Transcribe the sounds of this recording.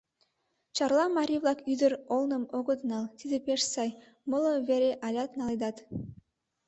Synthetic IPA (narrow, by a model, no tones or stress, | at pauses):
t͡ɕɑrlˠɑmɑɾʲivlˠɑkyd̪əɾolnə̆moɣod̪nɑlˠt̪id̪epeʃsɑj | mɤlˠəβeɾʲeʔɑlʲɑt̪nɑlˠid̪ɑt̪